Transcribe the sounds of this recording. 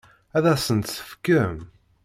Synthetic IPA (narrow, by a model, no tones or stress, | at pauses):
æðæsənt̪sə̥fə̥kːəm